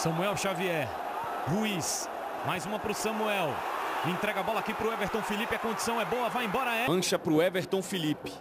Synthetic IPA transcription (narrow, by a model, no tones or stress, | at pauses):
sɐ̃muɛwʃaviɛɾ | huis | majzũmɐpɾʊsɐ̃muɛwẽt̪ɾɛɡɐabɔlakipɾʊɛveɾt̪õw̃filipiɐkõd͡ʒisɐ̃w̃ɛbowɐvajẽbɔɾɐɛɐ̃ʃɐpɾʊɛveɾt̪õw̃filipɪ̥